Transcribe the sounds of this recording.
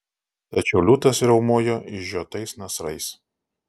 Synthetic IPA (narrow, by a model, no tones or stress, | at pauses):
t̪ɐt͡ʃʲɛʊlʲut̪ɐsɾʲɛʊmuːjoʔɪʒʲuːt̪ɐɪsnɐsɾɐɪs